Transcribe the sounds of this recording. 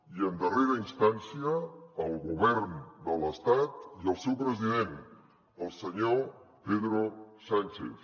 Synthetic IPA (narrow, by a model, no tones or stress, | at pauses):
iənd̪əreɾəinst̪ansiəːlˠɣuβɛɾnd̪ələst̪at̪iəlˠsewpɾəziðen | əlˠsəɲopeðɾosant͡ʃḛθ